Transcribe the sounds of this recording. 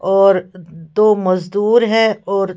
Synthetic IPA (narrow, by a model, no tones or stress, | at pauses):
ɔːɾd̪oːmɐzd̪uːɾɦɛɔːɾ